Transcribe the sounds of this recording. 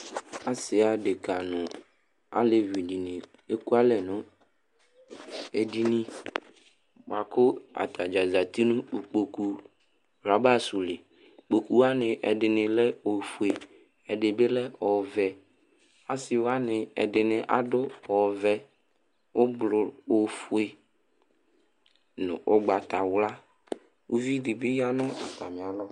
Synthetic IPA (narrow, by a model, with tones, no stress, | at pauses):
a˦sɪ˨a˨dɪ˨ka˨nʊ̃˨ | a̰˦le˨vi˨di˨nɪ̃˨ | e˦ku˦a˦lɛ˨nʊ̃˦ | e˨di˨nĩ˦ | ba˨kʊ˦a̰˨t̪a˨d͡ʒa˨za˨t̪i˦nʊ̃˦u˨k͡po˨ku˨ | ɾa˨ba˦˨sʊ˨lɪ˨ | k͡po˨ku˨wa˦nɪ̃˨ʔɛ̰˨dɪ˨nɪ̃˨lɛ˦o˨fu˨e˨ | ɛ˨dɪ˨bɪ˦lɛ˦ɔ˨vɛ˨ | a˦sɪ˨wa˦nɪ˨ɛ̰˨dɪ˨nɪ̃˨ʔa̰˨dʊ˦ɔ˨vɛ˨ | ʊ˦blʊ˨o˨fu˦e˦˨ | nʊ̰̃˨ʔʊ˦ɡ͡ba˨ta˨wla˦ | u˦vi˦dɪ˨bɪ˦ja˦nɔ̃˦a˨t̪a˨mɪ̃˨a˨lɔ˦